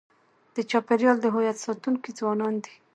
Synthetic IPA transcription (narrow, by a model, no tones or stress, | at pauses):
d̪̥ət͡ʃɑpɪɾjɑld̪əɦojat̪sɑt̪uŋkid͡zwɑnɑnd̪i̥